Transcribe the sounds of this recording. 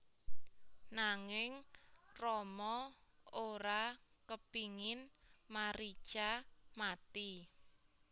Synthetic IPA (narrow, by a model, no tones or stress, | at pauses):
naŋɪŋrɔmɔoɾakəpiŋɪnmaɾi̥t͡ʃamat̪i